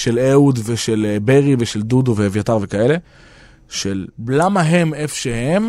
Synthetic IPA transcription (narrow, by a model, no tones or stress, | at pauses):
ʃeleudveʃelbeʁive̞ʃeld̪uduveevjataʁve̞kaele̞ | ʃelblamaɦe̞mefʃehem